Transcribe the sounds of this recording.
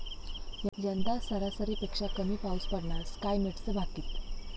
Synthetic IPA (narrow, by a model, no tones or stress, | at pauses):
jəd͡ʑənd̪asəɾasəɾipekʂakəmiːpauspəɽɳaɾskajmeʈt͡səbʱat̪iːt̪